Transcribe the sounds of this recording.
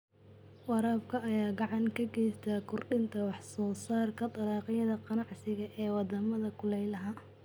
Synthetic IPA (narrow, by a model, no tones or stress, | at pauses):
wɑɾaːbkʰɐɐjaːɡɑʕɑŋkʰɐɡɛjst̪ʰaːkʰʊrɖɪnt̪ʰɐwɑħsɔːsaːrkʰɐt̪ɐlɑːqɪjɐðɐqɑnɑʕsɪɣɐʔɛːwɑd̪ɐmɐðɐkʰʊlɛjlɐɦɐ